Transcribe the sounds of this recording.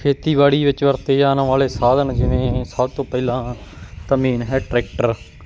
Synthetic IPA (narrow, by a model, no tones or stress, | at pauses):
kʰeːt̪iːʋaːɽiːʋɪt͡ʃʋəɾt̪eːd͡ʒaːnʋaːleːsaːd̪ənd͡ʒɪʋẽːsəbt̪õːpɛɪlãːt̪əmiːnɦɛːʈɾɛːkʈəɾ